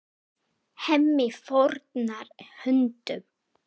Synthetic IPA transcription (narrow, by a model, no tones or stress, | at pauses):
hɛmːɪfɔɾt̪naɾhʏnt̪ʏm